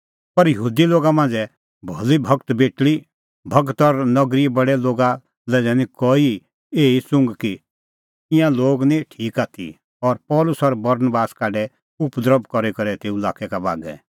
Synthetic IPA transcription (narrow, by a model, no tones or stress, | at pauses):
pɐɾjəɦuːd̪iloːɡamãːnd͡zɛ | bʱɔlibʱɐkt̪beːʈɭi | bʱɐkt̪ɔɾnɐɡɾibɐɽɛloːɡa | lɛːd͡zɛnĩkɔːi | eːisʊ̃ŋɡki | ɪjãloːɡniʈʰiːkaːt̪ʰḭ | ɔɾpɔːlʊsɔɾbɐɾnbaːskaːɖɛ | ʊpd̪əɾəbkɔɾɛkɐɾɛt̪eːula̰ːkɛkaba̰ːɡɛ̰